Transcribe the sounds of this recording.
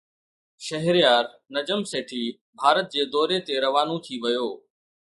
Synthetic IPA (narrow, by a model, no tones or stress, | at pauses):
ʃɐɦɾijaːɾ | nɐd͡ʑəmseːʈʰiː | bʱaːɾət̪̚d͡ʑeːd̪ɔːɾet̪eɾɐʋaːnũt̪ʰiʋɐjoː